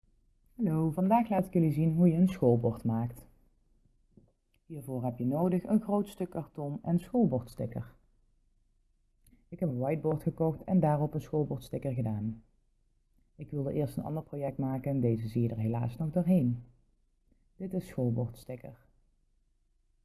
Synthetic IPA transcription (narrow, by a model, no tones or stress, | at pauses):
hɑlowvɑndaːxlaːtɪ̥kjɵlizinɦujəənsxolˠbɔɹtmaːkt | ɦiːɹvoːɹɦɛpjənowdəχə̰nxrowtstɵkːɑɹtɔnɛnnsxolˠbɔɹtstɪkə̰ɹ | ɪkɦɛpənʋɑjd̚bɔɹtχəkɔxtʰɛ̰ndaːrɔpənsxoːlˠbɔɹtstɪkəɹɣədaːn | ɪkʋɪlˠdəʔɪːɹstənɑ̰ndəɹprowjɛk̚tmaːkəndejzəzijədəɹɦela̰ːsnɔɣdoːɹɦejn | d̥ɪtɪsxolˠbɔɹtstɪkəɹ